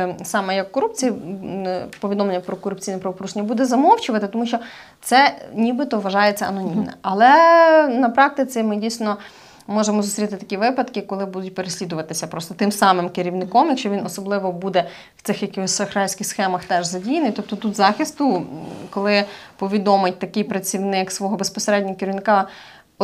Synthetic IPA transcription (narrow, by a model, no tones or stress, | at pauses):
sɑmɛjɐkːɔɾup̚t͡sʲiji | pɔʋʲid̪ɔmlenːɲːɐpɾɔkɔɾʊp̚t͡sʲijnɛpɾɐʋɔpɾuʒenʲɐbud̪ɛzɐmɔwt͡ʃʊʋɐt̪ɪt̪ɔmuʃt͡ʃɔ | t̪sɛnʲibɪt̪ɔʋɐʒɑjet͡sʲɐɐnɔnʲimmnɛ̰ʔɐlˠɛnɐpɾɑk̚t̪ɪt͡sʲimɪdʲijsʲnɔ | mɔʒemɔzʊsɾʲit̪ɪt̪ɐ̥kʲiʋɪpɐd̪kɪkɔlˠɪbud̪ʊt̚ʲpeɾesʲlʲid̪ʊʋɐt̪ɪsʲɐpɾɔst̪ɔt̪ɪmsɑmɪmkɪɾʲiʋnɪkɔmjɐkʃt͡ʃɔʋʲinɔsɔblˠɪʋɔbud̪ɛ | w̥t̪sɪxjɐkɪɔsʲsɐxɾɑlʲsʲkʲɪxsxɛmɐxt̪ɛʒzɐdʲijnɪjt̪ɔp̚t̪ɔt̪ut̪zɑxʲist̪ʊkɔlˠɪpɔʋʲid̪ɔmɪt̚ʲt̪ɐkɪjpɾɐt͡sʲiwnɪksʋɔɦɔbespɔseɾɛdʲnʲɔɔkɪɾʲiʋnɪkɑ